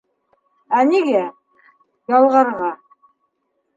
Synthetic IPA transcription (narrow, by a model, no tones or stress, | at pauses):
æniɡæ | jɑlˠʁɑɾʁɑ